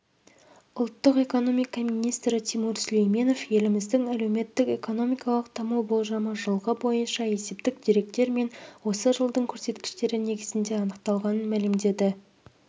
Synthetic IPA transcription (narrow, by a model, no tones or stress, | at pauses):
ʊlˠt̪ːəqe̞ko̞no̞mijkɑminijst̪ɾɪt̪ʰimuɾslejmʲe̞no̞fje̞lɪmɪzd̪ɪŋæle̞wme̞t̪ːɪkʲe̞ko̞no̞mijkɑlˠəq̚t̪ʰɑmuwbo̞lˠʒɑməʒəlˠʁəbo̞jənʃɑe̞se̞p̚t̪ɪk̚d̪eɾe̞k̚t̪e̞ɾme̞nwo̞səʒəlˠd̪əɴkʲʰɵɾse̞t̪kʲɪ̥ʃt̪e̞ɾɪne̞ɡʲɪzɪnd̪e̞ɑnəq̚t̪ɑlˠʁɑnənmælɪmd̪e̞d̪ɪ